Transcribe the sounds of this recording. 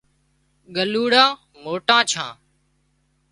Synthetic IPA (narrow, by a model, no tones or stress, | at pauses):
ɠəluːɽãː | moːʈãːt͡ʃʰã̰ː